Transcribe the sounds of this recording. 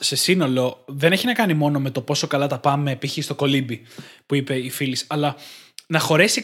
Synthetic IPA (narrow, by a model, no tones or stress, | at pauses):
se̞sino̞lo̞ðe̞ne̞çinɐkɐnimo̞no̞me̞t̪o̞po̞so̞kɐlɐt̪ɐpɐmːeːpiçist̪o̞ko̞libipuipe̞ifilisɐlɐnɐxo̞ɾesi